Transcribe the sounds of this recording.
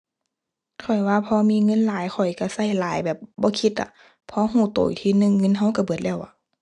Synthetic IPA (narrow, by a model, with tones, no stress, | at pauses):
kʰɔ˨˩jwaː˧pʰɔː˧˦miː˧˥˨ŋɤ˧˥˨nlaː˨˦jxʰɔ˨˩jka˧˩sa˧˥˨jlaː˨˦jbɛː˨˩p̚bɔː˧˦kʰi˧˦t̪̚la̰˧˩ | pʰɔ˧˦ɦuː˧˩t̪o̰˨˩jt̪ʰiː˧˥˨nɯ˧˨ŋːɤ˧˥˨nɦa˧˥˨wka˧˩bɯ˨˩ət̪̚lɛː˧˩˨wʔa̰˧˩˦